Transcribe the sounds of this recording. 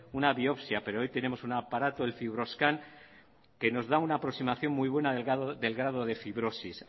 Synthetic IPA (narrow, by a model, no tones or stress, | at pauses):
unaβio̞psjape̞ɾoo̞jt̪e̞ne̞mo̞sunapaɾat̪oelfiβɾo̞skaŋ | ke̞no̞zðaunaːpɾo̞ksimaθjo̞ŋmujβwe̞naðeɣððe̞lɣɾað̞o̞ðe̞fiβɾo̞sis